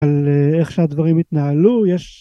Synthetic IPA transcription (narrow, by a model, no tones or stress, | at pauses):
aleχʃead̪vaʁimit̪naalujeʃ